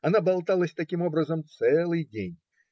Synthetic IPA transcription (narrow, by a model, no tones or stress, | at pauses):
anabalˠt̪alˠəsʲt̪akʲimɔbɾəzəmt̪sɛlˠɨjdʲenʲ